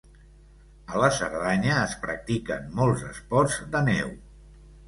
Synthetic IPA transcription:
ələsəɾðaɲəːspɾə̰k̚t̪ikənmolˠzəspɔɾzd̪ənɛw

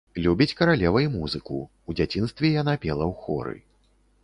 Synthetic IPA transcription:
lʲubʲit͡sʲkɐɾalʲɛvɐjumuzɨku | ud͡zʲat͡sʲin̪st̪vʲɛjanapʲɛlˠɐwxɔ̰ɾɨ̰

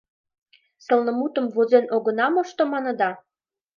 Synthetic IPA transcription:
sɤ̆lnə̆mut̪ə̆mvozenʔoɣɤ̆nɑmoʃt̪omɑnɤ̆d̪ɑ

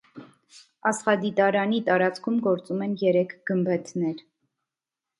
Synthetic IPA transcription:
ɑsχɑd̪it̪ɑɾɑnit̪ɑɾɑt͡skʰumɡɔɾt͡sumɛnjɛɾɛkʰɡ̥əmbɛt̪ʰnɛɾ

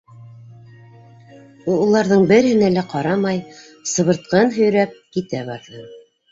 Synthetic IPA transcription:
uulˠɑɾðɤɴbɘ̆ɾhɘ̆nælæqɑɾɑmɑj | sɤ̆βɤ̆ɾt̪̚qɤnɦɵ̆jɾæp̚kit̪æβɑɾðɤ

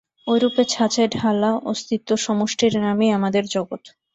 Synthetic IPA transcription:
ojɾupet͡ɕʰat͡ɕeɖʱalaost̪it̪ːoʃɔmoʃʈʰiɾnamiamad̪eɾd͡ʑɔɡot̪

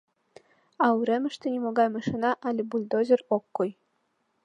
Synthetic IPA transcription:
ɑuɾʲĕmʲɘ̆ʃt̪ʲɘ̆nʲimoɡɑjmɑʃinɑʔɑlʲĕbulʲd̪ozʲɘ̆rokːuj

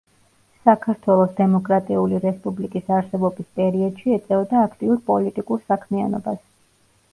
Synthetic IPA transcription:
sakʰaɾt̪ʰwɛlˠɔsd̪ɛmɔkʼɾat̪ʼiuliɾɛspʼublikʼisaɾsɛbɔbispʼɛɾiɔd̪̥ʃiɛt̪sʼɛɔd̪aːkʰt̪ʼiuɾpʼɔlit̪ʼikʼuɾsakʰmia̰nɔbas

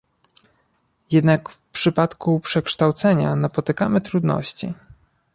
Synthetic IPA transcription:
jɛd̪nakfpʂɘpat̪kupʂɛkʂt̪awt̪sɛɲa̰napɔt̪ɘkamɘt̪ɾud̪nɔ̰ɕt͡ɕḭ

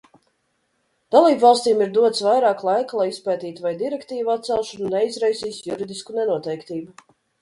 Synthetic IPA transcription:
d̪̥alˠiːbvɑlˠsʲt̪ʲiːmiɾd̪uɔt̪svajɾaːklˠajkalˠajispɛːt̪iːt̪vajd̪iɾɛkt̪iːvuat̪̚sɛlˠʃɔnnɛizɾajsiːsjuɾid̪iskunɛnuɔt̪ɛjkt̪iːbu

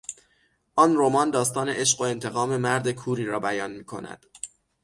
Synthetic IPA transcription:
ʔɒːnromɒːnd̪ɒːst̪ɒːne̞ʔeʃɢo̞e̞nt̪ʰe̞ɣɒːme̞mæɾd̪ekʰuːɾiːɾɒːbæjɒːnmiːkʰo̞̰næ̰d̪̥

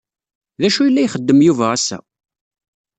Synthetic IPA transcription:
ðæʃujəlːæjχəd̪ːəmjuvææsæ̰

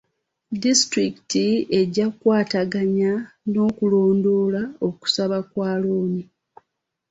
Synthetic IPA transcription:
distɾiki̥tie̞ɟakwaːtaɡaɲano̞ːkulo̞ːndo̞ːlao̞ku̥saβakwaːloːni

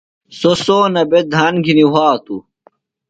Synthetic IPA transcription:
sosoːnɐbed̪ʱaːnɡʱiniɦaːt̪u

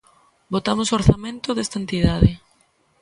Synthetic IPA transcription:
bot̪amosoɾθamẽnt̪oðest̪aent̪iðaðɪ

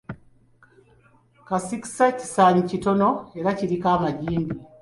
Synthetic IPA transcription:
kasiki̥saci̥saːɲicito̞no̞e̞ɾaciɾikaːmaɟiːmbi

